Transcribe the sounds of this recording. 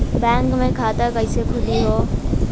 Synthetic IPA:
baŋkmekʰat̪aɡʌjsekʰulijo

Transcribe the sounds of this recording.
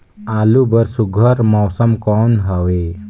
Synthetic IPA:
alubəɾsuɡʱəɾmɔːsəmkɔnɦəʋe

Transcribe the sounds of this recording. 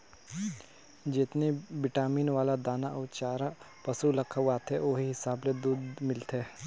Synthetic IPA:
d͡ʒɪt̪nebɪʈaːmiːnʋaːlad̪aːnaʔɔːt͡ʃaːɾa | pɐsulɐkʰəʋaːt̪eoːɦiɦɪsaːbled̪uːd̪mɪlt̪ɛː

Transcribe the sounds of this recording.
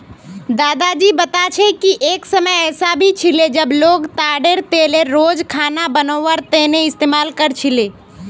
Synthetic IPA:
d̪aːd̪ad͡ʒiːbət̪at͡ʃʰekiʔeːksəməjɛːsabʱit͡ʃʰiled͡ʒəbloːɡt̪aːɖeɾt̪eːleɾoːd͡ʒkʰaːnabənoːʋəɾt̪eːneɪst̪eːmaːlkəɾt͡ʃʰileː

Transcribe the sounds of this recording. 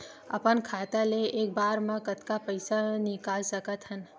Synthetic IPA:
ə̰pənkʰat̪aleek̚baɾmãkət̪kapəjsanɪkalsəkət̪ɦən

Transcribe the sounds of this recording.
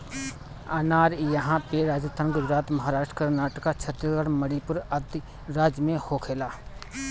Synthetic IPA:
aːnaːɾjəɦãpeɾaːd͡ʒt̪ənɡʊd͡ʒɾaːt̪mɐɦaːɾaːʃʈɾəkəɾnaːʈəkat͡ʃʰət̪ɾəɡəɽməɽipʊɾəd̪ | ɾaːd͡ʒmẽhokʰeːlaː

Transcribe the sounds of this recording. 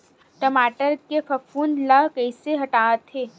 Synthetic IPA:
ʈəmaːʈəɾkefɐfuːnlakɐɪseɦɐʈaːt̪ʰeː

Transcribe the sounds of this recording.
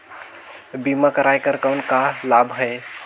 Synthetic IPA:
bimakəɾajkəɾkawnkalabʱɦəe

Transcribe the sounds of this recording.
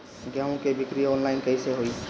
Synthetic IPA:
ɡjaːõkebʱɪkɾiɔːnlaɪnkəiseɦoi

